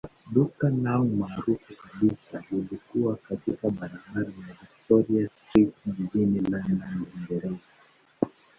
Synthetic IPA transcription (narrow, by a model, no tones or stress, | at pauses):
ɗukanaumaːɾufukaɓisahulikuwakatikaɓaɾabaɾajaviktɔɾiastɾitind͡ʒinilananiŋɡɛɾɛza